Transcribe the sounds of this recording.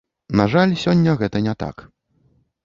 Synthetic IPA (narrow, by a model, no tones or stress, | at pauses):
naʐalʲsʲɔnʲːɐɣɛt̪ɐnʲɛt̪a̰k